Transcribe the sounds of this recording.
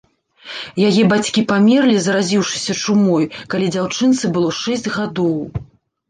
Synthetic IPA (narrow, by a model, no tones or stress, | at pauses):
jajɛbat͡sʲkʲipamʲɛrlʲizɐɾazʲiwʂɨ̥sʲɐt͡ʂumɔjkalʲid͡zʲawt͡ʂɨnt̪sɨbɨlˠɔʂɛzʲd͡zʲɣad̪ɔw